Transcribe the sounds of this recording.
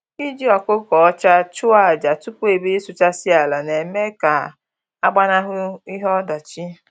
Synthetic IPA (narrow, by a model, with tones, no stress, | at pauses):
i˦d͡ʒi˦ɔ˨kʊ˦kɔ˨ɔ˦t͡ʃa˦t͡ʃʊ˦a˨d͡ʒa˨tu˦pu˦e˨bi˦ɾi˦sʊ˨t͡ʃa˦si˦a˨la˨ne˨me˦ka˨ | a˦ɡ͡ba˦na˦ɦʊ˦i˦ɦɔ˦da˨t͡ʃi˦